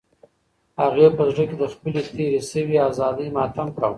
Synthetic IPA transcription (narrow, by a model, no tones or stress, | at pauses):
haɣepəzɽəked̪əxpəlet̪ʰeɾesəwiazɑd̪əjmɑt̪amkaw